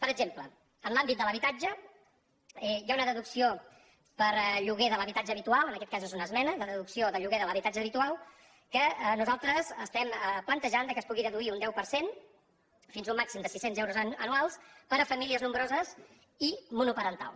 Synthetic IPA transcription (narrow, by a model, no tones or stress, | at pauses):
pəɾəɡʒemplə | ənlambit̪̚d̪ələβit̪ad͡ʒə | ɛjaunəðəðuksio | pəɾʎuɣeðələβit̪ad͡ʒəːβit̪ualˠənəkɛt̪̚kazezunəzmɛnəðəðəðuksioðəʎuɣeðələβit̪ad͡ʒəːβit̪ualˠ | kəənuzalˠt̪ɾəzəst̪ɛməplənt̪əʒand̪əkəspuɣiðəðuiund̪ɛwpəɾsen | finzumːaksimd̪əsisenzɛwɾuzənualˠspəɾəfəmiliəznumbɾozəs | imunupəɾənt̪a̰lˠ